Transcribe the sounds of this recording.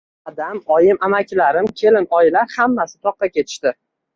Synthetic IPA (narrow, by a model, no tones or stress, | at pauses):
ad̪amɒjɪmamakʲlaɾɪmkʲʰe̞lɪnɒjɪlaɾhamːasɪ̥t̪ʰɒqːɑkʲe̞t̪ʰɪ̥ʃt̪ɪ